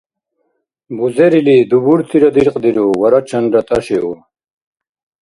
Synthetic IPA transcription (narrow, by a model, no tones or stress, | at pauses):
buzeɾilid̪ubuɾt̪ʰiɾɐd̪iɾqd̪iɾowɐɾat͡ɕʰɐnɾɐt̪ɐɕeo